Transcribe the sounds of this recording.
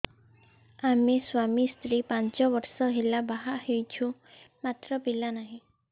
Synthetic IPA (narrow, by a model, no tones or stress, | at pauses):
ameswamist̪ɾipant͡ʃɔbɔɾsɔɦelabaɦaʔhejt͡ʃʰũmat̪ɾɔpilanaɦĩ